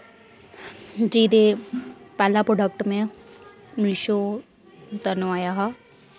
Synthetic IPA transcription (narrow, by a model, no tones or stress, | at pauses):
d͡ʒiːd̪epɛːlapɾoːɖək̚ʈmẽ | miʃo | t̪ənuaːjaɦa